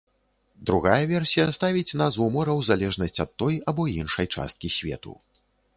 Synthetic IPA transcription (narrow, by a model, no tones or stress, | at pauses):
d̪ɾuɣajɐvʲɛrsʲijɐst̪avʲit͡sʲnazvumɔɾɐwzalʲɛʐnɐsʲt͡sʲɐt̪ːɔjabɔinʂɐjt͡ʂa̰st̪̚kʲisʲvʲɛ̰t̪ṵ